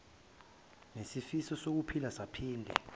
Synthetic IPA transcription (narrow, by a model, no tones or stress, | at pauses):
nesifisɔsok̬upʰilasapʰiːndʱɛ̰